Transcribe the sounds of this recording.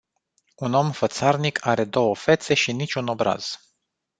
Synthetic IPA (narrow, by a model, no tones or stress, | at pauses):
uno̞mfət̪sarnikʰaɾe̞d̪o̞wəfe̞t̪se̞ʃinit͡ʃʲuno̞bɾa̰z̥